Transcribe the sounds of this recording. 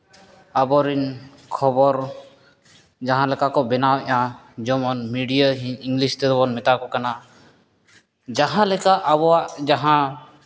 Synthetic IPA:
abɔɾin | kʰɔbɔɾ | d͡ʒaɦãlɛkakɔbɛnawʔã | d͡ʒɔmɔnmiɖijaɦiiŋɡlist̪ɛɾɔbɔnmɛt̪akɔkana | d͡ʒaɦãlɛkaʔabɔwaʔd͡ʒaɦã

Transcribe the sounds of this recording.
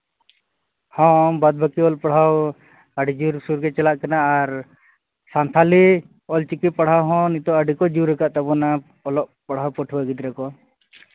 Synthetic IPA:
hɔ̃bad̪̚bʱakiɔlpaɽ̤aw | aɖid͡ʒuɾsuɾkɛt͡ʃɛlaʔkanaːɾ | sant̪ʰali | ɔlt͡ʃikipaɽ̤awɦɔ̃nit̪ɔaɖikɔd͡ʒuɾɛkaʔt̪abɔna | ɔlɔʔpaɽ̤awpɔʈʰbaɡit̪ɾɛkɔ

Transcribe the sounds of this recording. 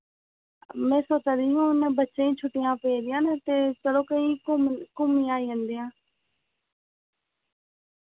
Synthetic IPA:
mẽːsoːtəd̪ɪjũɪnəbət͡ʃeĩːt͡ʃʰʊʈijãːpeed̪ɪjãːnt̪et͡ʃəɽoːkə̃ĩkʊmĩaːiːʋə̃nd̪ijãː

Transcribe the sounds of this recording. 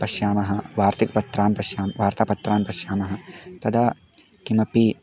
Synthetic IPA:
pɐʃjaːmɐɦɐ̆ʋaːɾt̪ikpɐt̪ːɾaːnpɐʃjaːmʋaːɾt̪apɐt̪ɾaːmpɐʃjaːmɐɦɐ̆t̪ɐd̪ʰaː | kimɐpi

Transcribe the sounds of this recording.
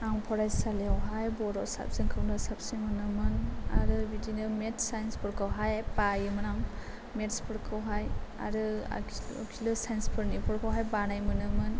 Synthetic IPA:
aŋpʰɔɾajsaleawɦajbɔɾɔʔsa̰p̚sɯŋkʰɯmlɯsap̚sajmɯnɯmɯna̰ɾɯbidinɯmetsajnspʰɔɾkʰɯwɦajpajɯmɯnam | metspʰɔɾkʰɯwɦaja̰ɾɯa̰kʰilɯsajnspʰɯɾnipʰɔɾkʰawɦajbanajmɯnɯmɯn

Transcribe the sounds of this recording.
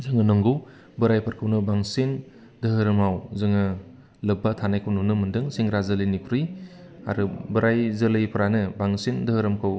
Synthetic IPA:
zɯŋɯnɔŋɡɯw | bɯɾajpʰɐɾkʰɯwnɯbaŋsen | dɯɦɯɾɯmawzɯŋɯ | lɯbatʰanajkʰɯwnɔnɯmɯndɯŋsiŋɾazɯlɯnikʰuɾɯj | aɾɯbɯɾajzɯlɯjpʰɯɾanɯbaŋsindɯɦɯɾɯmkʰɯw

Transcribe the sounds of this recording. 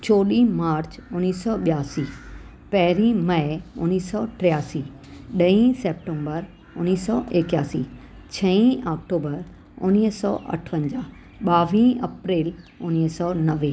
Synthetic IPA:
t͡ɕoːɗĩmaːɾt͡ɕʊniːsɔːɓjaːsiː | pɐɦɾĩmɐɪʊniːsɔʈɾijaːsiː | ɗɐĩseːp̚ʈẽmbəɾ | ʊniːsɔːʔekjaːsi | t͡ɕʰɐ̃ĩʔɔːk̚ʈoːbəɾ | ʊ̰niɦsɔ̰ːʔɐ̰ʈʰʋə̃ɲd͡ʑaː | ɓaːʋĩːɐpɾeːl | ʊnisɔnɐʋeː

